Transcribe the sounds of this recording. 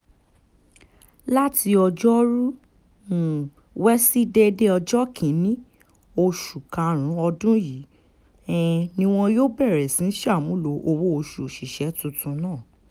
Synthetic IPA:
la˦ti˧ɔ˧d͡ʒɔ˦ɾu˦ | u˨ | wɛ˦si˦de˦de˦ɔ˧d͡ʒɔ˦kʰĩ˨˦nĩ˦ | o˧ʃu˨kã˨ɾ̃ũ˨˦ɔ˧dũ˦ji˨˦ | ɛ˧nĩ˧w̃ɔ̃˧joː˦bɛ˦˨ɾɛ˨sĩ˨˦ʃa˦˨mũ˨˦lo˨ʔo˧wo˦o˧ʃu˨ʃi˨ʃɛ˨˦tũ˧tũ˧˦nãː˦˨

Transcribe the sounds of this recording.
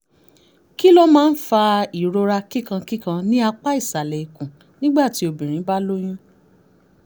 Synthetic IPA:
ki˦lɔ˦mãː˦n̩˦fa˧i˨ɾo˧ɾa˧ki˦kã˧ki˦kã˧nĩ˦a˧k͡pa˦i˦˨sa˨lɛ˨i˨kũ˨ | nĩ˦ɡ͡ba˦˨ti˨˦o˨bĩ˨ɾ̃ĩ˨˦ba˦lo˦j̃ũ˦

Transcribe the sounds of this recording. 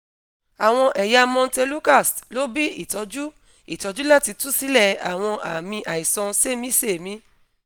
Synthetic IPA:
a˨w̃ɔ̃˧ʔɛ˨ja˧mɔ̃˧n̩˦˧te˧lu˦ka˦˨slo˦bi˦i˦˨tɔ˧d͡ʒu˦ | i˦˨tɔ˨˧d͡ʒu˦la˦˨ti˧tu˦si˦lɛ˦˨a̰˨w̃ɔ̃˧ʔa˨mĩ˧ʔa˨i˨sɔ̃˧se˦mĩ˦se˦˨mĩ˨˧˦

